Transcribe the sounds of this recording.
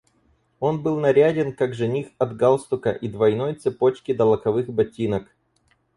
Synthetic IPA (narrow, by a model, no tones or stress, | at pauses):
o̞nbɨlˠnɐɾʲædʲɪnkaɡʐɨnʲixɐd̪ɡalˠst̪ʊkəʔid̪vɐjno̞jt̪sɨpo̞t͡ɕkʲɪd̪əlˠəkɐvɨxbɐtʲːinək